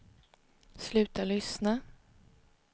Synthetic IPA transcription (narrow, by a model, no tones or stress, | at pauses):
slʉ̟ːt̪alʏsna